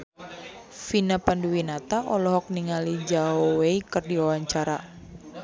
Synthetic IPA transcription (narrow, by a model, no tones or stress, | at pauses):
finapanduwinat̪aʔɔlɔɦɔk̚niŋalid͡ʒaoweikɨrdiwawaɲt͡ʃaɾa